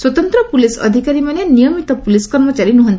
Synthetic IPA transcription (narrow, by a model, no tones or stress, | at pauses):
swɔt̪ɔnt̪ɾɔpulisɔ̰d̪ʱikaɾimanenijɔmit̪ɔpuliskɔɾmɔt͡ʃaɾinuɦɔnt̪i